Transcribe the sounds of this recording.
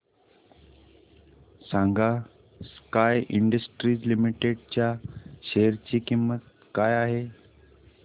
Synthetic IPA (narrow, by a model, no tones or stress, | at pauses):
sãŋɡa | skajiɳɖəsʈɾiːd͡ʑlimiʈeɽt͡ɕjaɕeəɾt͡ɕiːkimːət̪̚ | kajaɦe